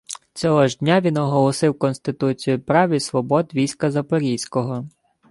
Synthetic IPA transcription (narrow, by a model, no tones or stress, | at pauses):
t͡sʲɔɦɔʒdʲnʲaʋʲinɔɦɔlˠɔsɪwkɔnst̪ɪt̪ut͡sʲijʊpɾɑʋʲisʋɔbɔd̪ʋʲijsʲkɐzɐpɔɾʲijsʲkɔɦɔ